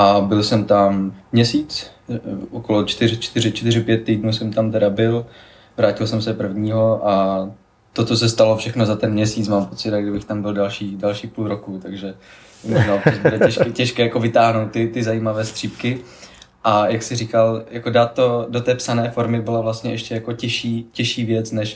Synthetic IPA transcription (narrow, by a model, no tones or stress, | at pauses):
ʔabɪlsɛmt̪amːɲɛsiːt͡s | ʔokolot͡ʃt̪ɪrɪt͡ʃt̪ɪrɪt͡ʃt̪ɪrɪpjɛt̪̚ːijdnuːsɛmt̪amt̪ɛdabɪl | vɾaːcɪlsɛmsɛpr̩vɲiːɦo̞ʔa | t̪ot̪t͡sos̬ɛst̪alofʃɛxnozat̪ɛnmɲɛsiːt͡smaːmpo̞t͡sɪdaɡdɪbɪxt̪ambɪldalʃiːdalʃiːpulɾokut̪aɡʒɛ | moʒnaːas̚budɛɛʃkcɛʃkɛːjako̞vɪt̪aːɦnowt̪̚tːɪt̪ɪzajiːmavɛːst̪r̥iːpkɪ | ʔajaksɪriːkaljako̞daːt̪ːo̞dot̪ɛːpsanɛːfo̞ɾmɪbɪlavlast̪ɲɛɛʃcɛjako̞cɛʃiːcɛʃiːvjɛt͡snɛʃ